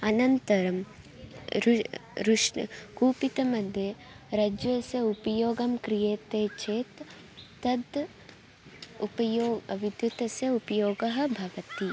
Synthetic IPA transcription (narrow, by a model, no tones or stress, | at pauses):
ɐnɐnt̪ɐɾɐm | ɾɾuʂkuːpit̪ɐmɐd̪ʱje | ɾɐd͡ʒɐsjɐupɐjoːɡɐmkɾijeːt̪eːt͡ʃʰeːt̪ː | ɐd̪ | upɐjoːʋid̪jut̪ɐsjɐupɐjoːɡɐɦɐ̆bʱɐʋɐt̪i